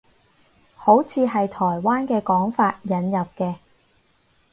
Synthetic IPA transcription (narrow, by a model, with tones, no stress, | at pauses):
ho˨˥wt͡sʰiː˨˧ɦɐ˨jt̪ʰɔː˨˩jwaː˥nkɛː˧kɔː˨˥ŋfaː˧t̚jɐ˨˥njɐ˨p̚kɛː˧